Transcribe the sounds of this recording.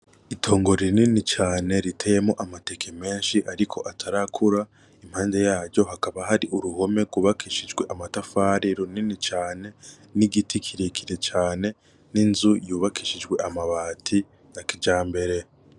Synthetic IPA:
itʰo̞ːŋɡo̞ɾininit͡ʃaːne̞ɾitʰejemo̞ʔamate̞kʰeme̞ːnʃiʔaɾikʰo̞ʔatʰaɾakʰuɾa | im̥haːnde̞jaːɾɟo̞ɦakaβaɦaɾiʔuɾuho̞me̞ɡuβakiʃid͡ʒɡwe̞ʔamatafaːɾiɾuninit͡ʃaːne̞ | niɡitikʰiɾekʰiɾe̞t͡ʃaːne̞ | ninzujuːβakiʃid͡ʒɡwe̞ʔamaβaːtʰi | jakid͡ʒaːmbe̞ɾe̞

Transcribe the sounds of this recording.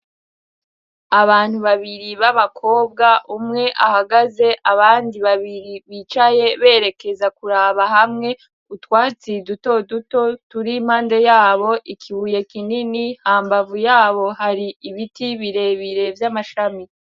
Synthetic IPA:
aβaːn̥huβaβiɾiβaβakʰo̞ːb̚ɡaʔumŋe̞ʔahaɡaze̞ʔaβaːndiβaβiɾiβit͡ʃaje̞βe̞ːɾe̞ke̞zakuɾaːβaɦamŋe̞ | utwaːt͡siduto̞duto̞tuɾiːm̥haːnde̞jaːβo̞ʔikʰiβuje̞kininihaːmbavujaːβo̞haɾiːβitiβiɾe̞βiɾe̞vjamaʃami

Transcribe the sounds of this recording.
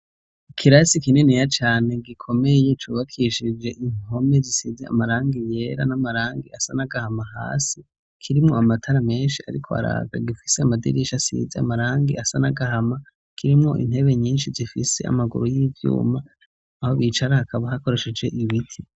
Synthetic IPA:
ikʰiɾasikinenijat͡ʃaːne̞ɡikʰo̞me̞je̞t͡ʃuːβakʰiʃid͡ʒe̞ʔino̞mezisizea̰maɾaːŋɡije̞ːɾa̰namaɾaːŋɡiasanaɡahamaha̰ːsi | kʰiɾimŋoamatʰaɾame̞ːnʃia̰ɾikʰo̞a̰ɾa̰ːɡa̰ɡifi̥seamadḭɾiʃasḭzea̰maɾaːŋɡiʔasanaɡahama | kʰiɾimŋo̞̰ʔḭn̥e̞βe̞ɲiːnʃizifise̞̰a̰maɡṵɾojiːvjṵːmaː | ho̞βit͡ʃaɾahakʰaβaɦako̞ɾe̞ʃe̞d͡ʒe̞ʔiβitʰi

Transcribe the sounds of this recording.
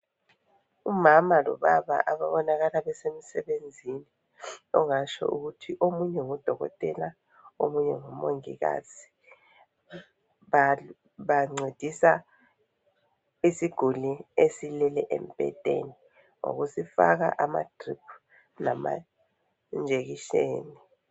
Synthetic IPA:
umamalɔ̰βaβa̰ʔaβaβɔnaɣalaβɛsemisɛβend͡zʱini | ɔŋat͡ʃʰɔ̰ʔuɣutʰiʔomuɲɛŋɔd̥ʱɔɣɔ̰tʼɛla | omuɲɛŋɔmoŋiɣa̰zi̥ | a | βaŋ͡ǀed̥ʱisa | isiɡ̥ʱuliesilɛlɛʔḛm̩pʼɛ̰tʼḛni | ŋo̰ɣusifa̰ɣa̰ʔama̰tʰripʰ | nama̰ | nd͡ʒʱeɣiʃḛːni

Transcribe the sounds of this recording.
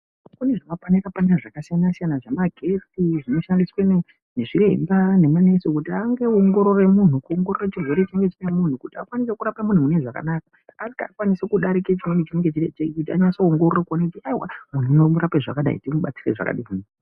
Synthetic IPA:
kune̞ʐamapwanirapanaʐakasijanasijanaʐemaɡʱe̞tiʐino̞ʃandiswene | ne̞ʐirḛmbane̞mane̞sokutiaŋɡe̞oŋɡo̞ɾo̞re̞mun̤ukuoŋɡo̞rorat͡ʃirwe̞ɾet͡ʃeŋɡe̞t͡ʃinemun̤ukutiakwanisekuɾapamun̤umune̞ʐaka̰nakḁː | kaːkwanisekuɗaɾiket͡ʃimwenet͡ʃine̞ŋɡe̞t͡ʃiet͡ʃekikut̬iaɲasooŋɡororakuonekutiaiwa̰mun̤ujomuɾapeʐa̰kaɗa̰ḭtimuɓat͡sireʐa̰ka̰ɗimun

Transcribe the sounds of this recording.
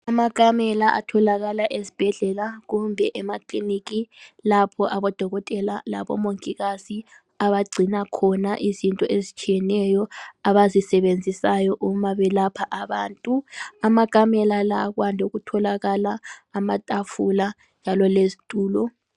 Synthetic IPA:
amakʼamɛlaʔa̰tʰɔlaɣalaʔezi̥b̥ʱɛɮɛlaɣumbʱɛʔɛmaklinikilapʰɔʔaβɔd̥ʱɔɣɔtʼɛlala̰βɔ̰moŋkʼiɣazi | aβaɡ͡ǀʱinakʰɔnaʔizintʼɔʔezit͡ʃʼijɛnɛjɔaβazisɛβend͡zʱisajɔʔumaβɛlapʰaʔaβaːntʼuamakʼamɛlalaɣwandʱuɣutʰɔlaɣalaːmatʼafula | nd͡ʒʱalɔlezitʼuːlɔ

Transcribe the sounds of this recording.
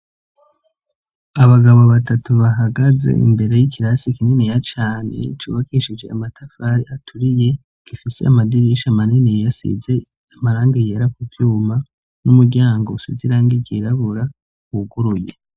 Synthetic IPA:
aβaɡaβo̞βatatuβaɦaɡaze̞̰ḭmbe̞ɾe̞jiciɾasikininejat͡ʃaːne̞̰t͡ʃṵːβakʰiʃid͡ʒe̞a̰matʰafaɾiatʰuɾije̞ | kifise̞̰amadiɾiʃamaninejejasḭze̞ | amaɾaːŋɡajeɾakuvjuːma | numuɾɟaːŋɡousiziɾaŋɡiɟiɾaβuɾa | βuɡuɾuje

